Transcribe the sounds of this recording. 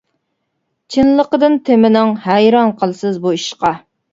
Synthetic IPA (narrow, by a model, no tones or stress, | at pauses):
t͡ʃʰinlˠəqəd̪ɨnt̪ʰemɪnɪŋhɛjɾɑnqʰəlˠsɨzbuiʃqɑ